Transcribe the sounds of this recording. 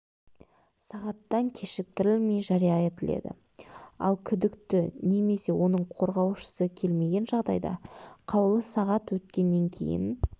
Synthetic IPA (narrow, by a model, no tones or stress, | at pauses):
sɑʁɑt̪ːɑŋkʲʰe̞ʃɪk̚t̪ɪɾɪlmejʒɑɾijɑe̞t̪ɪle̞̰d̪ɪ̰ | ɑ̰lˠkʲʰʏd̪ɪkt̪ɪne̞me̞se̞wo̞nəɴqʰo̞ɾʁɑwʃə̥səkʲʰe̞lme̞ɡʲe̞nʒɑʁd̪ɑ̰jd̪ɑ̰qʰɑwlˠəsɑʁɑt̪wɵt̪kʲe̞nːe̞ŋkʲʰe̞̰jɪ̰n